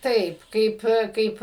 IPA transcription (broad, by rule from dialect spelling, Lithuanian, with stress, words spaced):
ˈtɐɪp ˈkɐɪp ˈkɐɪp